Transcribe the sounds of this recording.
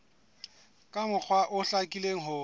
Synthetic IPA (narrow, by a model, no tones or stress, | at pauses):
kʼamʊk͡xʰwaʔʊɬakʼileŋ̩ɦʊ